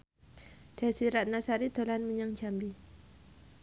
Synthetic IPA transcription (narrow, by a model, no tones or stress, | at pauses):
d̥asiɾat̪̚nasaɾid̪̥olanməɲaŋd͡ʒambi